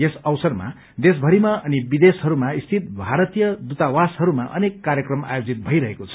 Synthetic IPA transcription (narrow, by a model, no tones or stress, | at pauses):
esʌwsʌrma̰ | d̪es̬bʱʌɾimaʌnibid̪esɦʌɾumaist̪ʰit̪̚bʱaɾʌt̪ijʌd̪ut̪awasɦʌɾumaʔʌ̰nekːaɾjʌkrʌma̰jod͡zit̪̚bʱʌiɾʌɦekot͡sʰʌ̥